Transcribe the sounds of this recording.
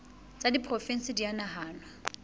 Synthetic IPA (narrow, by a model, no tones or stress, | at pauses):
t͡sʼadipʰʼrofɛn̩sɪdianaɦaːnwa